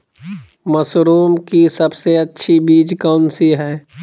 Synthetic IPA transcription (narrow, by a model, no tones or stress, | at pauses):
məsɾuːmkisɐbseɐtːʃʰibiːd͡ʒkaʊnsiɦɛː